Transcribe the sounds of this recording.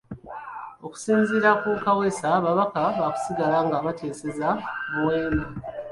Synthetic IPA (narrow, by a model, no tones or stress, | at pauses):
o̞ku̥siːnziɾakukawe̞saβaβakaβaku̥siɡalaːŋɡaβatʰe̞ːse̞zaβuweːni